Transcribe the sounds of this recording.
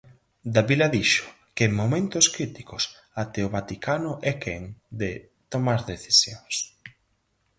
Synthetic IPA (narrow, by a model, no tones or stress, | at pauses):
d̪aβilaðiʃʊ̥ | keeŋmomẽnt̪ʊskɾit̪ikʊs | at̪eoβat̪ikʰanʊʔɛkeŋd̪e | t̪omaɾðeθisjoŋs